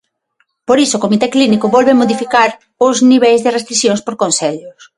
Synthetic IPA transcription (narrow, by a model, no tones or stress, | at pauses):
poɾisoːkomit̪eklinikoβɔlβemoðifikaɾ | ʊzniβejzðɪrest̪ɾiθjõnspoɾkonseʎʊs